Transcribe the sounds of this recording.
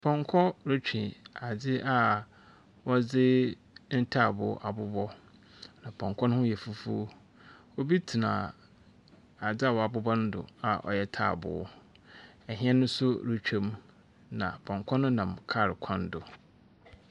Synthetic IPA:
pʰɔ̃˨ŋkʰɔ˦ɾʊ˦t͡ɕᶣĩ˨a˨d͡zɪ˦ʔa˦ | wɔ˦d͡zɪ˦ | n̩˦tʰa˦˨bʊ˨˦ʔa˨bʊ˦bɔ˦ | nã˨pʰɔ̃˨ŋkʰɔ˦nʊ̃˦hʊ̃˦jɛ˨fu˦fṵ˦ | o˦bi˦tʰi˨nã˨ | a˨d͡zɪ˦a˦˨wɔ˨a˨bʊ˦bɔ˦nʊ̃˦dʊ̰˨a˨ʔɔ̰˨jɛ˦˨tʰa̰ː˦˨bʊ̰˨˦ | ɛ˨ɦĩ˦ɛ̃˦nʊ̃˦sʊ˦ɾu˦t͡ɕᶣɛ̃˦m | nã˨pʰɔ̃˨ŋkʰɔ˦nʊ̃˦nã˨mkʰa˦˨ɾɪ˨kʷʰã˦n˦dʊ˨

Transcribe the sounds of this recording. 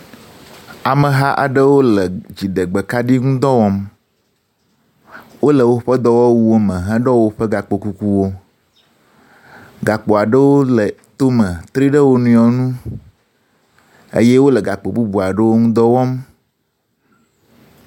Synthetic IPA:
a˨mə̃˨ɦa˦ʔa̰˨ɖə˦wo˦lə˨d͡ʑi˨ɖə˨ɡ͡bə˨ka˦ɖi˦ŋũ˦d̪ɔ˦wɔ˦m | wo˦lə˨wo˦ɸə˦d̪ɔ˦wɔ˦wu˦wo˦mə̃˨ɦɛ̃˦ɖɔ˦wo˦ɸə˦ɡa˨k͡po˨ku˨ku˦wo˦ | ɡa˨k͡po˨a˨ɖə˦wo˦lə˨t̪o˦mə̃˨t̪ɾi˦ɖə˦wo˦nũ˦jɔ˨nũ˦ | ḛ˦je˦wo˦lə˨ɡa˨k͡po˨bu˦bu˨a˨ɖə˦wo˦ŋũ˦d̪ɔ˦wɔ˦m

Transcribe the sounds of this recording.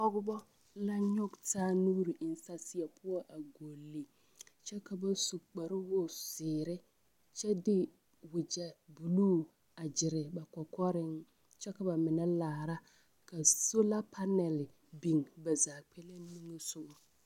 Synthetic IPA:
ɔ˦ɡʊ˦bɔ˦ | la˦ɲɔ˦ɡtaː˦nuː˦ɾi˨ʔɪ˨n˦sa˦sɪ˦a˨pʰʊ˦ɔ˦ʔa˨ɡo˨lːi˨ | t͡ʃɛ˦ka˨ba˨su˨k͡pa˨ɾɪ˦wo˦sɪː˨ɾɪ˦ | t͡ʃɛ˦dɪ˦ | wɪ˨d͡ʒɛ˨bu˨luː˦ | a˨d͡ʒɪ˨ɾɪ˨ba˨kɔ˨kɔ˦ɾɪ˦ŋ | t͡ʃɛ˦ka˨ba˨mɪ˨na˦laː˨ɾa˦ | ka˨so˦la˦pʰa˦nɛ˨l | bi˨ŋba˨zaː˨k͡pɛ˦le˦ni˦ŋɛ˦sʊ˦ɡɔ˨

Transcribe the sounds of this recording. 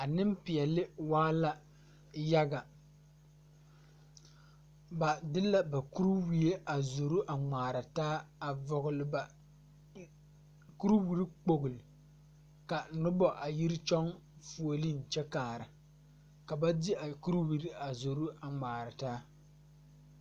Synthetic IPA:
a˨nɪ˦mpɪ˨ɛ˨lɪ˦waː˦la˦ | ja˦ɡa˨ | ba˨dɪ˦la˦ba˨ku˦ɾu˦wi˨e˦ʔa˨zo˨ɾu˦ʔa˨ŋ͡maː˨ɾa˨taː˦a˨vɔ˨ɣʊ˨lɪ˨ba˨ | ku˦ɾwi˨ɾi˦k͡po˨ɡʊ˨lɪ˨ | ka˨nʊ˦bɔ˨ʔa˨ji˦ɾɪ˦t͡ʃɔ˦ŋ | fu˨o˨li˦n̩˨t͡ʃɛ˦kaː˨ɾɪ˨ | ka˨ba˦di˦a˨ku˦ɾu˦wi˦ɾi˦a˨zo˨ɾu˦a˨ŋ͡maː˨ɾɪ˨taː˦

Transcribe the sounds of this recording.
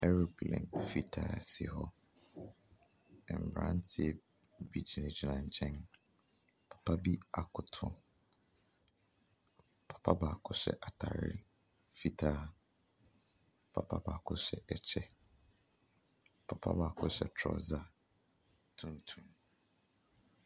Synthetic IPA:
ɛ˦ɾu˨klɛ̰̃˨nfi˦tʰa̰ː˦˨sḭ˨ɦɔ˦ | ɛ˨m̩˨bɾã˦n˦tʰɪ˦ɛ˦˨ | bi˦d͡ʑi˨nã˨d͡ʑi˨nã˨ɲ˨t͡ɕʰɛ̃˦n | pʰḁ˨pʰa˦bi˦a˨kʰʊ˨tʰʊ̃˦ | pʰḁ˨pʰa˦baː˨kʰʊ˦ɕᶣɛ̰˦˨ʔa˨tʰa˨ɾɪ̰˦ | fi˦tʰaː˦ | pʰa˨pʰa˦ba˨kʰʊ˦ɕɛ˦ʔɛ˨t͡ɕʰɛ˦ | pʰa˨pʰa̰˦baː˨kʰʊ˦ɕɛ̰˨tʰɔ̰˨za˦ | tʰũ˦n˦tʰũ˦m

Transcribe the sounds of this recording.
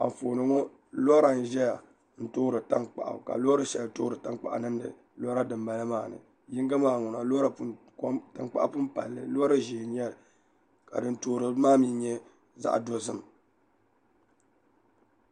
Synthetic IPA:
a̰˨ɱ˨foː˨nɨ˨˦ŋɔ˦ | lɔ˦ɾa˨n˨˦ʒɛ˦ja˨ | n̩˦tʊ˦ɾɨ˨ta˦ŋk͡pa̰˨ʔa̰˨ka̰˨lo˦ɾɨ˦ʃɛ˨ltʊ˦ɾɨ˨ta˦ŋk͡pa̰˨ʔa̰˨nɨ˦n˦dɨ̰˨ | lɔ˦ɾa˦dɨ˨mba˨lɨ˦maː˦˨nɨ̰˨ | ji˦ŋ˦ɡa˦maː˦˨ŋʊ˨na˨lo˦ɾa˨˦ | ta˨ŋk͡pa̰˦ʔa˦pʊ˦m˦pa̰˨lːɨ˦lɾɨ˦ʒiː˨ɲɛ˦lɨ˨ | ka̰˨dɨ˨n˦toː˨ɾɨ˦maː˦mi˦ɲɛ˦ | za̰˦ʔdo˨zɨ˦m˨

